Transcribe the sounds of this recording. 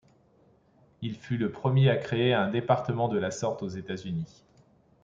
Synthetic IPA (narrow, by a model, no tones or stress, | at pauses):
ilfyləpχəmjeakχeeɛ̃d̪epaʁt̪əmɑ̃d̪əlasɔʁt̪ozet̪azyni